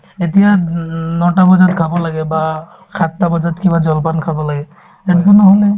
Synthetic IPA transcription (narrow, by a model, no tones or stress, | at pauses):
etijanɔtabɔzatkʰabɔlaɡɛba | kʰatːabɔzatkibad͡ʒɔlpankʰabɔlaɡɛ | ɛnkunɔɦɔnɛ